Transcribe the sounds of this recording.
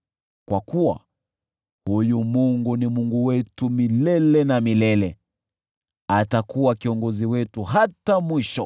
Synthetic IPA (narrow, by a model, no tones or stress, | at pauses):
kwakuwa̰ | hujumuŋɡunimuŋɡuwɛtumilɛlɛnamilɛlɛ | atakuwakiɔŋɡɔziwɛtuɦatamwiʃɔ